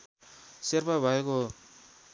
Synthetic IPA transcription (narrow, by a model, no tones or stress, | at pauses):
serpʰabʱʌeko